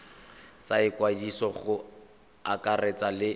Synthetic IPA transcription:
t͡saɪkwadisɔχʊ | akaret͡salɪ

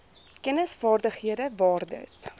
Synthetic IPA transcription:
kɛnəsfɑːrdəχɦiədəvɑːrdə̰s

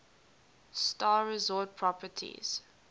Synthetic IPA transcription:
stɑːɹɛzɔːt̚pʰɹɔpətʰḭz̥

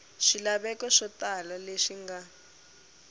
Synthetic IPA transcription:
ʃilaβɛkɔʂɔtalɔleʂiŋɡa

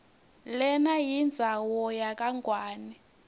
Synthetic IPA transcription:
lɛnajind͡zʱawɔjak̬ʼaŋɡwaːni

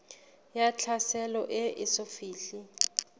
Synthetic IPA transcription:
jat͡ɬʰasɛlɔʔɪʔɪsofiːɬi

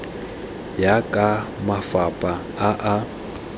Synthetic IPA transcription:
jakʼa | mafapʼa | aʔa

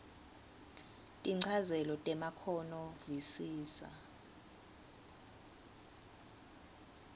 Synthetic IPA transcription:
tʼiŋ͡ǀʰazɛlɔtʼɛmakʰɔnɔvisiːsa̰

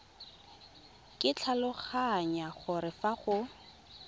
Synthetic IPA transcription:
kʼɪt͡ɬʰalʊχaɲaχʊɾɪfaχʊ

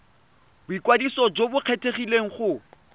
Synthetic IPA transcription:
bʊikwadisɔd͡ʒobʊq͡χʰetʰeχileŋ̩χʊ

